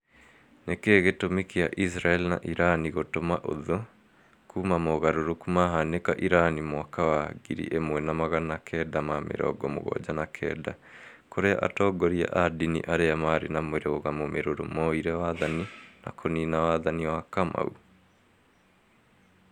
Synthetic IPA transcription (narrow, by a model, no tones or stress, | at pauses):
nekeːɣetomikea̰ʔisɾaɛlina̰ʔiɾaniɣotomaʔo̰ðo | kuːmamoɣaɾoɾokumaɦanekaʔiɾanimwakawaɣḭɾḭʔemwɛnamaɣanakʰɛdamamḛɾɔ̰ːɡɔmo̰ɣɔ̰d͡ʑanakʰɛ̰ːda̰ | koɾea̰ʔa̰tɔːɡɔɾia̰ʔadinḭʔaɾeamaɾenamweɾeoɣamomeɾoɾomɔiɾɛwaðanina̰kʰoninawaðaniwakama̰ṵ